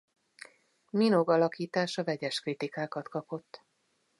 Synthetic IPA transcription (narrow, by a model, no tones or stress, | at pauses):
mino̞ɡɒlɒkiːt̪aːʃɒvɛɟɛʃkrit̪ikaːkɒt̪kɒpo̞t̪ː